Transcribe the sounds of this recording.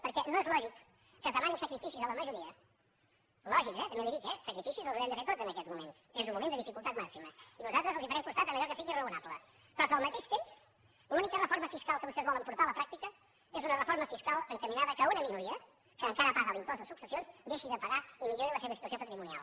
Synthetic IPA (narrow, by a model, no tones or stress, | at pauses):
pəɾkɛnoezlɔʒikː | əzðəmanisəkɾifisizələməʒuɾiə | lɔʒikzɛt̪əmeðəðik̪ɛsəkɾifisizəlˠzuɾɛmnd̪əfeɾt̪od͡zzənəkɛzmumensezumumenəðifikulˠt̪at̪maksiməinuzalˠt̪ɾəzəlˠzifəɾɛmkunst̪at̪əməʎɔkəsiɣirəunaplə | pɾɔkəlˠmət̪eʃt̪ems | lunikərəfoɾməfiskalˠkəβust̪ɛzβɔləmpuɾt̪aələpɾak̚t̪ikə | ezunərəfoɾməfiskalˠəŋkəminaðəkəunəminuɾiə | kəːŋkaɾəpazəlˠimpɔzt̪ðəsuksəsionsd̪eʃiðəpəɣaimiʎoɾiləseβəsit̪uəsiopət̪ɾimunia̰lˠ